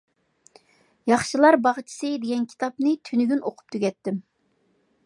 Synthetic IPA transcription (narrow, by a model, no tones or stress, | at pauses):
jɑχʃilˠɑɾbɑʁt͡ʃʰi̥sɨd̪eɡʲɛnkʲʰi̥t̪ɑpnɨt̪ʰynyɡʲynʔoqʰʊ̥p̚t̪ʰyɡʲɛt̪ːɪm